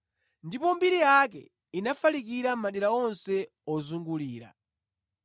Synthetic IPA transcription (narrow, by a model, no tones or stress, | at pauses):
ndipɔmbiɾijakɛ̰ | inafalik̬iɾam̩maɗiɾaɔnsɛ | ɔzuŋɡuliːɾa̰